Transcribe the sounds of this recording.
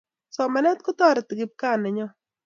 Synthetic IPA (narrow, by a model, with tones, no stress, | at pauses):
sɔ˨mɛ˨nɛ˦t̪̚kʊ˦t̪ɔ˦ɾɪ˨t̪ɪ˨ɡɪ˨p̚ka˦nɛ˨ɲɔ˦